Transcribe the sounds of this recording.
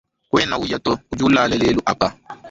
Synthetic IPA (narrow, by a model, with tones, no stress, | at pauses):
kwɛ˦na˦wu˦ja˦tɔ˦u˦d͡ʒu˦laː˦lɛ˦leː˦lu˦ʔa˨k͡pa˦